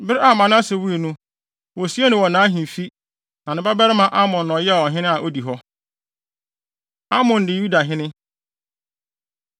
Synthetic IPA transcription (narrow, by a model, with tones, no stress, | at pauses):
bɪ˦ɾɪ˦a˨mã˨nʊ̃˦a˦se˨wu˦e˨nũ˦ | wɔ˨si˦ɛ˦nʊ̃˨wɔ˨nãː˨˦ɦĩ˨fi˦ | nã˨nɪ̃˦ba˦bɛ˦ɾɪ˦mã˨ʔa˦mɔ̃˨nː˨ɔ̃˨jɛ˦a˨wɔ˨ɦɪ̃˦nɪ̃˦a˨ʔo˦di˨ɦɔ˦ | a˦mɔ̃˨n˨dɪ˨ju˦da˨ɦɪ̃˦nɪ̃˦